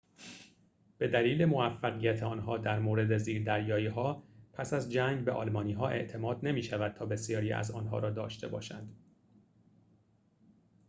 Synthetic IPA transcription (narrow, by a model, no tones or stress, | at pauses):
b̥e̞d̪æliːle̞mo̞æfːæɣijæt̪ʰeɒːnɦɒːd̪æɾmoːɾe̞d̪e̞ziːɾd̪æɾjɒːjiːɦɒːpʰæsæzd͡ʒæŋɡbeʔɒ̰ːlmɒːniːɦɒːʔe̞̰ʔt̪ʰe̞mɒːd̪ne̞miːʃævæd̪̚t̪ʰɒːbe̞sijɒːɾiːæ̰zɒ̰ːnɦɒ̰ːɾɒːd̪ɒːʃt̪ʰe̞bɒ̰ːʃænd̪